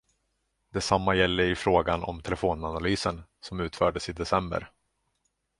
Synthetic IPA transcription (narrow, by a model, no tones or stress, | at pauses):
d̪̥ɛsamːajɛlːəɾɪfɾoːɡanɔ̰mt̪ʰɛlɛfoːnanalyːsənsɔmʉ̟ːt̪fœːɖəsɪd̪ɛsɛmbə̰ɾ